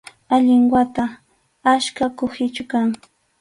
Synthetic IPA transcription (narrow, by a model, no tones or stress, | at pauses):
aʎɪŋwat̪a | aʃkakʊhɪt͡ʃʊkaŋ